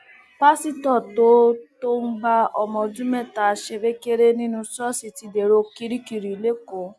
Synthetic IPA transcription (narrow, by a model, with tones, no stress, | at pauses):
pa˦si˦tɔ˦˨to˦to˦m̩˦ɡ͡ba˦ɔ˨mɔ̃˧˨d͡ʒũ˦mɛ˦˨ta˨ʃe˧be˦ke˦ɾe˦nĩ˦nũ˦sɔ˦si˨ti˧de˨ɾo˧ki˦ɾi˦ki˨ɾi˨le˦ko˨˦